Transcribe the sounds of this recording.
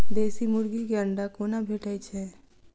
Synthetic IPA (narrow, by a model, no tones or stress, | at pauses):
d̪eːsimʊɾɡikeəɳɖakoːnabʱeːʈait͡ʃʰɛː